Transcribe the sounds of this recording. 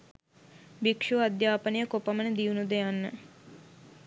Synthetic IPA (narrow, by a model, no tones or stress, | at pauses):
bikʂuad̪jaːpənejəkopamənəd̪iunud̪əjanːə